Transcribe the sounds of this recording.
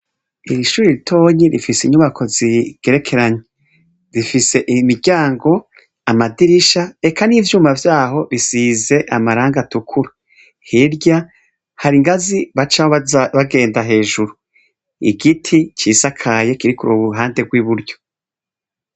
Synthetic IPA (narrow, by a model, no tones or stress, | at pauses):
iɾiʃuːɾiɾitʰo̞ːɲiɾifisiɲuβakʰo̞ziɡ̥e̞ɾe̞kʰe̞ɾaɲe | zifise̞ʔimiɾɟaːŋɡo̞ | amadiɾiʃae̞kaniːvjuːmavjaːɦo̞βisiːze̞ʔamaɾaːŋɡatukʰuɾa | hiɾɟa | haɾiŋɡaziβat͡ʃaβaɡe̞ːndaɦe̞ːʒuɾu | ḭɡitʰit͡ʃisakʰaje̞kiɾikuɾuːβuɦaːndeɡwiβuɾɟo̞